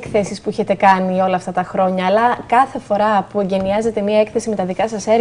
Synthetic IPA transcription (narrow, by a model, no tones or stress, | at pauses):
kθesispuiçe̞t̪e̞kɐnio̞lɐːft̪ɐt̪ɐxɾo̞ɲɐːlɐkɐθe̞fo̞ɾɐpue̞ɲɟe̞niɐze̞t̪e̞miɐekθe̞sime̞t̪ɐðikɐsɐseɾ